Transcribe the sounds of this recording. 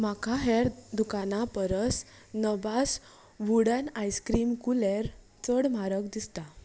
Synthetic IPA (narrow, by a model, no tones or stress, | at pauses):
makʰaɦɛɾd̪ukanapəɾəs | nəbas | ʋuɽənajskɾiːmkulɛɾ | t͡səɽmaɾəkd̪ist̪a